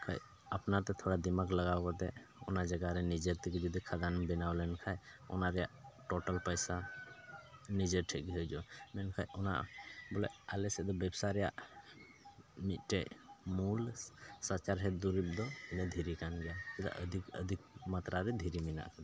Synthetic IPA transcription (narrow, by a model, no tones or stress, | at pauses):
kʰa̰j | əpnaɾt̪ɛt̪ʰoɽad̪imakləɡawkɔt̪ɛɔ̰nad͡ʒaɡaɾɛnid͡ʒəɾt̪ɛkid͡ʒɔd̪ikʰad̪anbɛnawlɛnkʰajɔ̰naɾɛjaʔʈɔʈəlpəjsa | nid͡ʒəɾʈʰɛkiɦəjd͡ʒɔmɛnkʰajɔna̰ʔbɔlɛ̰alɛsɛd̪ɔbɛbsaɾɛja̰ʔ | mit̪̚ʈɛmulsat͡ʃaɾɦɛt̪d̪uɾip̚d̪ɔɛnɛd̪ʱiɾikanɡɛjakɛd̪a̰ʔəd̪ikə̰d̪ʱik̚mat̪ɾaɾɛd̪ʱiɾimina̰ʔkʰan